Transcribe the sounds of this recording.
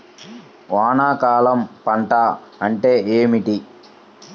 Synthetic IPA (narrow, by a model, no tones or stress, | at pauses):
ʋaːnaːkaːlɐmpɐɳʈaɐɳʈe̞ːʔeːmiʈi